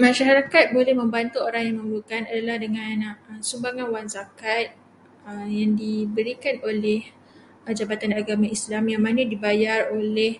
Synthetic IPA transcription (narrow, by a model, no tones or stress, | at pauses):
maʃaɦɾakat̪̚bolɛhmə̃mbant̪uoɾaŋjaŋmə̃mbukanadalahdəŋãnsumbaŋanwanzakat̪̚ | əjaŋdibəɾikanolɛh | d͡ʒabat̪anaɡamãislamjaŋmãnadibajarolɛh